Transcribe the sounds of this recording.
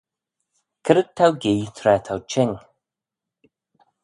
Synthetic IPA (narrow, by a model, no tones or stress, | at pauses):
kʰəɾəd̪̚t̪ʰːawɡiːt̪ʰɾɛːt̪ʰawt͡ʃʰɪn